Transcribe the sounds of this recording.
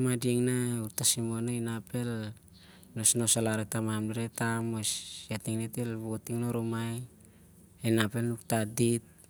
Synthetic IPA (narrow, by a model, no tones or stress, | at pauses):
madieŋnauɾtasimonainape̞l | nosnosalaɾetamamdiɾetamosatiŋnetelβotiŋnoɾomaj | enape̞lnuktadit̚